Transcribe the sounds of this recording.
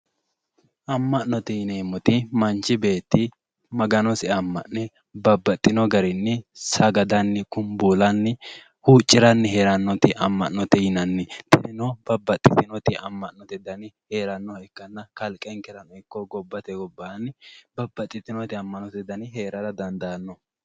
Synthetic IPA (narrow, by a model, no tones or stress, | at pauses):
ʔɐmːɐːɔt̪ɪjɪnɛmɔt̪ɪmɐnt͡ʃːɪbe̞ːt̪ːɪ | mɐɡɐnɔsɪɐmːɐ̰ʔnɛ | bɐbːɐt̪ʼːɪnɔɡɐɾɪnːɪsɐɡɐd̪ɐnːɪkʊmbuːlɐnːɪ | huːt͡ʃʼːɪɾɐnːɪɦe̞ːɾɐnːɔt̪ɪʔɐmːɐʔnːɔt̪ɪjɪnɐnːɪt̪ɪdɪnɔb̥ɐbːɐt̪ʼːɪt̪ɪnɔt̪ɪʔɐmːɐʔnːɔt̪ɪd̪ɐnɪhe̞ːɾɐnːɔɛkːɐnːɐkɐlkʼɛŋkɛɾɐnɔɪkːɔɡɔbːɐt̪ɛɡɔbːɐnːɪbɐbːɐt̪ʼːɪt̪ɪnɔt̪ɪɐmːɐnɔt̪ɛd̪ɐnɪɦe̞ːɾɐɾɐd̪ɐnd̪ɐɐnːɔ